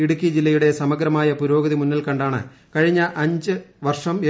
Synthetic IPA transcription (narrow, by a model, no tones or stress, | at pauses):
iɽukʲːid͡ʑilːɐjuɽe̞sɐmɐɡɾɐmaːjɐpuɾo̞ːɡɐðimunːɐlkɐɳɖaːɳɨ̰ | kɐɻiɲːɐʔɐɲd͡ʑɨʋɐrʂɐme